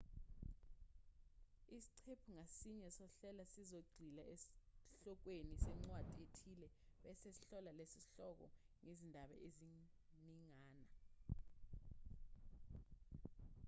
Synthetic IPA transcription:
isi̥ǀʰepʰuŋasiɲɛsɔɬɛlasizoɡ͡ǀʱilaʔesɬɔk̬wenisɛŋ͡ǀwad̥ʱietʰilɛ | ɓɛsesi̥ɬɔlalesiɬɔk̬ɔ̰ | ŋezindʱaɓa̰ʔezi | niŋaːna

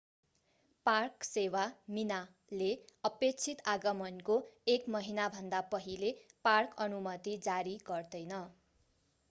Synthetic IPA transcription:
parksewamina | leʌpek̚t͡sʰit̪aɡʌmʌnkoekmʌɦinabʱʌnd̪apʌɦileparkʌnumʌt̪id͡zaɾiɡʌrd̪ʌjnʌ

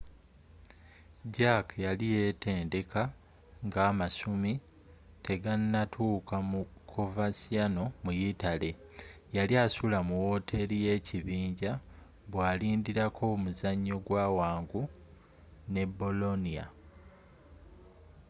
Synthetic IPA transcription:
ɟakʰjalije̞te̞ːnde̞ka | ŋɡaːmasumi | tʰe̞ɡanːatʰuːkamukʰo̞vasiano̞mujitale̞jaliasulamuwo̞ːtʰe̞ɾije̞ːcʰiβiːɲɟa | βwaːliːndiɾakʰo̞muzaɲːo̞ɡwaːwaːŋɡu | ne̞bo̞lo̞nija̰

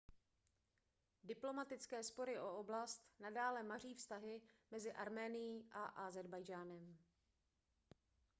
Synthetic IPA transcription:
dɪplo̞mat̪ɪt͡skɛːspo̞ɾɪʔooblast̪nadaːlɛmar̝iːfst̪aɦɪmɛzɪʔaɾmɛːnɪjiːʔaʔazɛɾbajd͡ʒaːnɛm

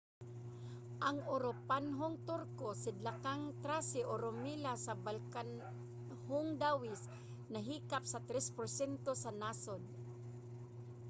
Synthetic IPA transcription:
ʔaŋʊɾopanɦoŋt̪ʊɾkosɪd̪lakaŋt̪ɾasɪʔoɾʊmilasabalkan | hʊŋd̪awɪs | naɦiːkap̚sat̪ɾɛspʊɾsɛnt̪osanaːsod̪̚

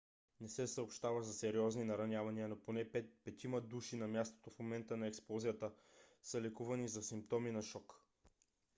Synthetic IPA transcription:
nɛsɛsəopʃt̪avəzɐsɛɾiɔzninɐɾɐnʲjavɐniənoponɛp̪pɛt̪iməd̪uʃinɐmʲjast̪o̥t̪ofmomɛnt̪ənɐɛksplˠɔzijət̪əsəlɛkuvɐnizɐsimp̚t̪ɔminɐʃɔk

